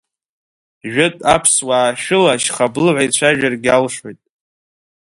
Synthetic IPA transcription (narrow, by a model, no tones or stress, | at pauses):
ʒᶣʊtʼa̰pʰswaːʃᶣʊlaʃχablʕʷajt͡ɕʷʰaʒᶣarɡʲalʂojtʼ